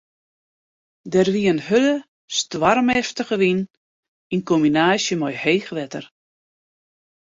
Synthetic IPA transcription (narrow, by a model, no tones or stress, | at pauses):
dɛrʋiənhølə | stwarmɛftəɣəʋin | inkominaːsjəmɔjheːxʋɛtər